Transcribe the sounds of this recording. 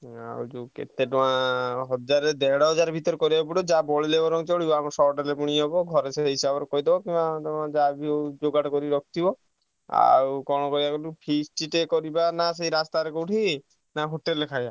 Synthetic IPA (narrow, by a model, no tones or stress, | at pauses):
a̰wd͡ʒukḛt̪eʈ̪ɔãɦɔd͡ʒaɾed̪ɛɽɔɦɔd͡ʒaɾebʱit̪ɔɾekɔɾibpuɽɔd͡ʒabɔɭilebɔɾɔŋt͡ʃoɭibɔamɔɾsɔʈelepuɽ̃iɦɔbɔɡʱɔɾeseɦisabɔɾkɔɦid̪ebɔkĩat̪ɔãd͡ʒabid͡ʒoɡaʈɔkɔɾiɾɔkʰt̪ibɔ | a̰wkɔɽ̃ɔkɔɾibakɔlupʰisʈiʈekɔɾibanasejɾast̪aɾekoʈʰi | naɦoʈelekʰaja